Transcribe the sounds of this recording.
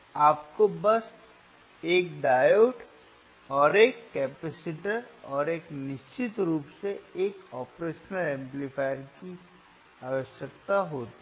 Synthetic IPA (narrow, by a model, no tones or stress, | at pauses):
aːpkobɐs | eːkɖaːjoːʈ | ɔːɾeːkːɛːpɛsɪʈəɾɔːɾeːknɪʃt͡ʃɪt̪ɾuːpseeːkɔːpɾeːʃnəlɛ̃ːmplifaːɪɾki | aːʋəʃjək̚t̪aɦoːt̪